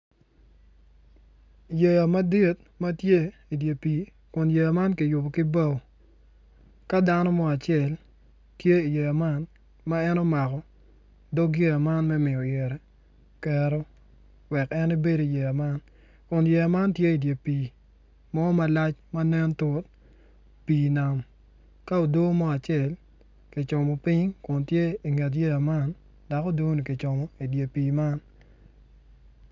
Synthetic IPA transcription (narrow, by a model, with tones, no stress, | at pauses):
je˨ja˨ma˦di˦t | mɐ˦tje˦i˨dje˨piː˨ | kʊ˨nje˨ja˨ma˦nki˨jʊ˨bo˨kɪ˦ba˦˨w | ka˦da˦nɔ˦mɔ˦a˨t͡ʃɛ˦˨l | tje˦i˨je˨ja˨ma˦n | ma˦ɛ˦nɔ˦ma˨kɔ˨ | dɔ˦ɡje˦ja˨ma˦nmɛ˦mɪ˨ɔ˨jɛ˨ɾɛ˨ | kɛ˨ɾɔ˦ | wɛ˨kɛ˦ni˦be˦do˨je˨a˨ma˦n | kʊ˨nje˨a˨ma˦ntje˦i˨dje˨piː˨ | mɔ˦ma˦la˦t͡ʃma˦nɛ˦ntʊ˦t̚ | piː˨na˨m | ka˦o˨do˦mɔ˦a˨t͡ʃɛ˦˨l | ki˨t͡ʃɔ˨mɔ˨pɪ˦ɲkʊ˨ntje˦i˨ŋe˨t̬je˦a˨ma˦n | da˨kɔ˦do˦ni˨ki˨t͡ʃɔ˨mɔ˨i˨dje˨piː˨ma˦n